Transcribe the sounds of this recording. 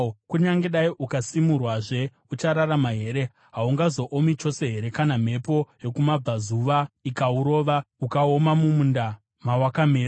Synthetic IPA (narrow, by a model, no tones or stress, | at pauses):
kuɲaŋɡe̞ɗaiʔukasimurwaʐe̞ | ut͡ʃaɾaɾamaɦe̞ɾe̞ | ɦauŋɡazo̞ʔomit͡ʃo̞se̞ɦe̞ɾe̞kanam̤e̞po̞je̞kumab͡vazuʋaikauɾo̞ːʋaukaomamumunda | mawakameːɾa